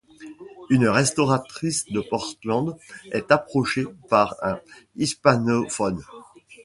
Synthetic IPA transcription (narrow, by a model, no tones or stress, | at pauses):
ynʁɛst̪ɔʁat̪χisd̪əpɔʁslɑ̃d̪ɛt̪apχɔʃepaʁɛ̃ispanofɔn